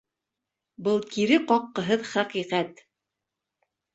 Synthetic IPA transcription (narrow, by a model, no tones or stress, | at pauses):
bɤlˠkiɾɘqɒqːɤ̆ɦɤðχæqiqæt̪